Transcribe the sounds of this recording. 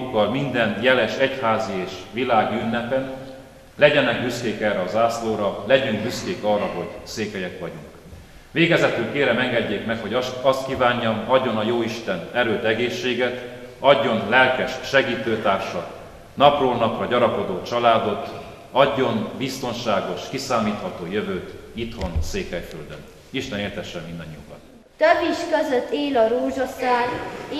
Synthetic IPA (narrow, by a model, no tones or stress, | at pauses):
kːɒlmind̪ɛnjɛlɛʃɛchaːzieːʃʋilaːɡiynːɛpɛn | lɛɟɛnɛɡ̚byskeːkɛrɛɒzaːsloːɾɒlɛɟyŋkbyskeːkɒːrːɒɦo̞ɟseːkɛjɛkʋɒɟuŋk | veːɡɛzɛt̪ylkeːɾɛmɛŋɡɛɟːeːkmɛkho̞ɟɒst̪̚kiːvaːɲːɒmɒɟːo̞nɒjoːiʃt̪ɛnɛɾøːt̪ɛɡeːʃːeːɡɛt̪ | ɒɟːo̞nlɛlkɛʃʃɛɡiːt̪øːt̪aːrʃɒ | nɒproːlnɒprɒɟɒɾɒko̞d̪oːt͡ʃɒlaːd̪o̞t̪ | ɒɟːo̞nbist̪o̞nʃaːɡo̞ʃkisaːmiːt̪hɒt̪oːjøvøːt̪it̪ho̞nseːkɛjføld̪øn | iʃt̪ɛneːrt̪ɛʃːɛmmind̪ɒɲːiukɒ̰n | t̪øbːiʃkøzøt̪ːeːlɒɾoːʒosaːn